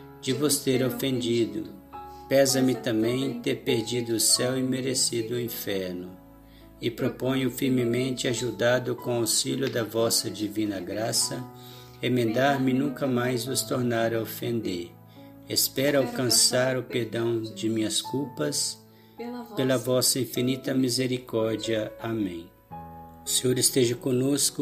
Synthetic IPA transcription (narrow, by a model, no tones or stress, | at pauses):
d͡ʒɪvost̪eɾofẽnd͡ʒid̪ʊ̰pɛzɐmɪt̪ɐ̃mbẽj̃t̪eɾpeɾd͡ʒid̪ʊːsɛwɪmeɾesid̪ʊĩfɛɾnʊ | ɪpɾopõjʊfiɾmɪmẽnt͡ʃɪaʒud̪ad̪ʊkõasiʎʊd̪ɐvɔsɐd͡ʒivĩnɐɡɾasɐ | emẽnd̪aɾmɪnũŋkɐmajzvʊst̪oɾnaɾɐofẽnd̪eɾ | espɛɾawkɐ̃saɾʊpeɾd̪ɐ̃w̃d͡ʒɪmĩɲɐskuwpɐs | pelɐvɔsɐĩfinit̪ɐmizeɾikɔɾd͡ʒiɐamẽj̃ | ʊseoɾɪst̪eʒɐkõnoskʊ